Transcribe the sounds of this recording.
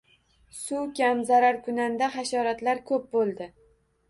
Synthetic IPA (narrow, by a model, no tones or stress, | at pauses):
sʊkʲamzaɾaɾkʰʊnand̪aχaʃɒɾat̪laɾkʰɵp̚bolˠd̪ɪ